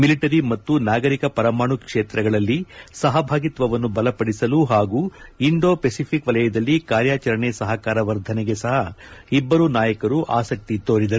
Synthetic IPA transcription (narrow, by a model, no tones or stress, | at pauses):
miliʈɐɾimɐt̪ːunaːɡɐɾikɐpɐɾɐmaːɳukʂeːt̪ɾɐɡɐɭɐlːisɐɦɐbʱaːɡit̪ʋɐʋɐnːubɐlɐpɐɽisɐluɦaːɡuːiɳɖo̞ːpesipʰikʋɐlɐjɐd̪ɐlːikaːɾjaːt͡ʃɐɾɐɳesɐɦɐkaːɾɐʋɐɾd̪ʱɐnɛɡe̞sɐɦɐibːɐɾunaːjɐkɐɾuʔa̰ːsɐk̚t̪it̪oːɾid̪ɐɾuu